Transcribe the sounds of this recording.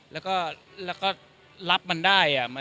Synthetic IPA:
lɛː˦˥wkɔː˥˩ | lɛː˦˥wkɔː˥˩ | la˦˥p̚ma˧ndaː˥˩jʔa˨˩ma˧

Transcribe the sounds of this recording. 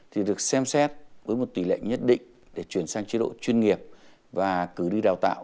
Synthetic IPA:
t̪ʰi˨˩ɗɨ˨˩ək̚sɛ˧msɛ˦˥t̚vəː˨˦jmo˨˩t̚t̪wi˧˩lḛ˧˨jŋɲə˦˥t̚ɗḭ̈˧˨ŋ̟ | ɗe˧˩t͡ɕwi˧˩ənsaː˧ŋt͡ɕi˨˦ɗo̰˧˨t͡ɕwi˧nŋi˨˩əp̚ | vaː˨˩kɨ˨˧˩ɗi˧ɗaː˨˩wt̪a̰ː˧˨w

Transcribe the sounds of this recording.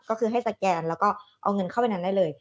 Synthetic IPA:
kɔː˥˩kʰɯː˧ɦa˥˩jsa˧˩kɛː˧nlɛː˦˥wkɔː˥˩ʔa̰˧wŋɤ˧nkʰa˥˩wpa˧˨jna˦˥da˥˩jlɤː˧j

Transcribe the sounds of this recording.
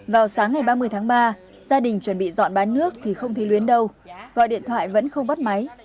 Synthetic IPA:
vaː˨˩wsaː˨˦ŋːa˨˩jɓaː˧mɨ˧əjt̪ʰaː˨˦ŋɓaː˧ | zaː˧ɗï˨˩ŋ̟t͡ɕwə˧˩nɓḭ˧˨zɔ̰˧˨nɓaː˨˦nnɨ˦˥ək̚t̪ʰi˨˩xə˧wŋ͡mt̪ʰe˨˦lwi˨˦ənɗə˧wɣɔ̰˧˨jɗḭ˧ənt̪ʰwa̰ː˧˨jvə̰˧˥nxə˧wŋ͡mɓə˦˥t̚ma˨˦j

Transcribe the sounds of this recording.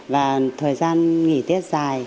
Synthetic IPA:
vaː˨˩t̪ʰəː˨˩jzaː˧nŋi˧˩t̪i˦˥ət̚zaː˨˩j

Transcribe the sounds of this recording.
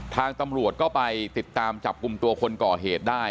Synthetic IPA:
t̪ʰaː˧ŋt̪a˧mɾu˨˩ət̪̚kɔː˥˩pa˧jt̪i˨˩t̪ːaː˧mt͡ɕa˨˩p̚ku˧mt̪u˧ɐkʰo˧nkɔː˨˩ɦeː˨˩t̪̚daː˥˩j

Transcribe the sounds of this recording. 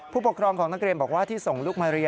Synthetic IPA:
pʰuː˥˩pu˩kʰɾɔː˧ŋkʰɔː˩˦ŋna˦˥k̚ɾi˧nmbɔː˨˩k̚waː˥˩t̪ʰiː˥˩so˨˩ŋluː˥˩k̚maː˧ɾa˧ja

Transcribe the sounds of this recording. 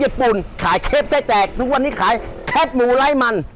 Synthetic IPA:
iː˦˥˩pu˨˩nkʰaː˨˩˦jkʰeː˦˥˩p̚sa˧˩jt͡ɕ̪ɛː˨˩k̚t̪ʰu˦˥k̚wa˧nːiː˦˥˩kʰaː˩˦jk̪ʰe˦˥˩p̚muː˨˦la˦˥˩jma˧n

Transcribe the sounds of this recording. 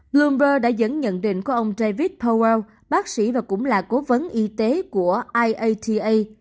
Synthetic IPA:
blu˧mzəː˧ɗa̰ː˧˥zə̰˧˥nɲə̰˧˨nɗḭ̈˧˨ŋ̟ku˧˩əʔə˧wŋ͡mɗa˧vi˦˥t̚pʰa˧wɛ˧w | ɓaː˦˥k̚sḭ˧˩vaː˨˩kʊ̰˧˥ŋ͡mlaː˨˩ko˨˦və˨˦nʔi˧t̪e˨˦ku˧˩əʔaː˧jʔə˧jt̪ʰi˧ʔə˧j

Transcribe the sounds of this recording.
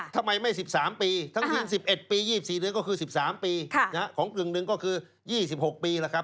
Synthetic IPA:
t̪ʰa˧mːa˧jma˥˩jsi˨˩p̚saː˩˦mpiː˧tʰa˦˥˩ŋwi˧nsi˨˩p̚ʔe˨˩t̪̚piː˧jiː˥˩i˨˩siː˨˩dɯ˦əkɔː˥˩kʰɯː˧si˨˩p̚saː˩˦mpiː˧kʰna˦˥kʰɔː˩˦ŋklɯ˨˩ŋnɯ˧ŋkɔː˥˩kʰɯː˧ | jiː˥˩si˨˩p̚ho˨˩k̚piː˧laː˧˩kʰa˦˥p̚

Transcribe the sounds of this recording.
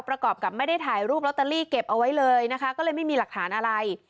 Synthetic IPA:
pɾa˧kɔː˨˩p̚ka˨˩p̚ma˥˩jda˥˩jt̪ʰaː˩˦jɾuː˥˩p̚la˦˥t̪a˧liː˥˩ke˨˩p̚ʔa˧wa˦˥jlɤː˧jna˦˥kʰa˦˥kɔː˥˩lɤː˧jma˥˩jmiː˧la˨˩t̪ʰaː˩˦nʔa˧ɾa˧j

